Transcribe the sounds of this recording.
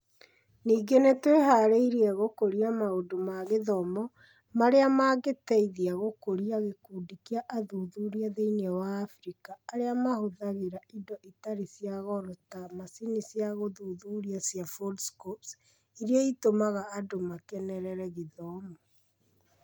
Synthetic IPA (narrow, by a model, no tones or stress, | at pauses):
niːɡenetweɦaɾeiɾiɛɣokoɾiamaodomaɣeðɔmɔ | maɾeamaːɡetɛiðiaɣokoɾiaɣekuːdikiaʔaðuːðuːɾiaðeinɛwaːfɾikaːɾeamahoðaɣeɾaidɔʔitaɾisijaɣɔɾɔtamasinisjaɣoðuːðuːɾiasjafolskɔps | iɾiaitomaɣaːdomakɛnɛɾɛɾɛɣeðɔmɔ